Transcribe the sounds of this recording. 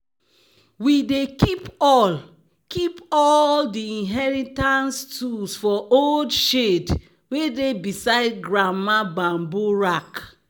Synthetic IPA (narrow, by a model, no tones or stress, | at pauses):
widekipɔl | kipɔldiĩnɦɛɹitãnstulsfɔoldʃed | wedebisaɪdɡɹamabãmboɹak